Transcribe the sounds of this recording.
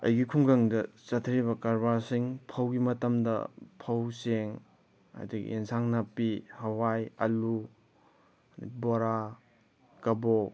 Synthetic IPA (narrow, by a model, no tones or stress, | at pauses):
ɐ̰jɡikʰuŋɡɐŋdɐsɐtʰɾiβɐkaɾbaɾsiŋpʰɐwɡimɐtɐmdɐ̰pʰɐwseŋ | ɐ̰diɡḭʔensʰaŋnapihɐwajɐlu | nḭboɾa | kɐbo